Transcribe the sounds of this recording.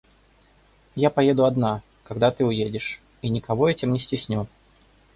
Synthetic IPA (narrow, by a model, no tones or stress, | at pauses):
japɐjed̪ʊɐd̪na | kɐɡd̪at̪ɨʊjedʲɪʂ | inʲɪkɐvɔɛtʲɪmnʲɪsʲtʲɪsʲnʲɔ